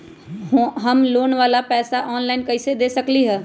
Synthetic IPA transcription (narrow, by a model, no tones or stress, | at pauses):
ɦəmloːnʋaːlapɛːsaʔɔːnlaːɪnkəɪsed̪eːsəkliɦɛː